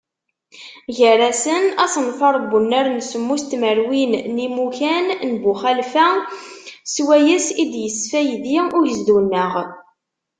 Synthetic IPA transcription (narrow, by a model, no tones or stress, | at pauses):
ʝəɾˤæsənæsənfɑɾˤbːunːæɾnsəmːust̪məɾwinnimukænnbuχælfæ | swæjæsid̪jəsfæjðiʊɾjəzd̪unːəʁ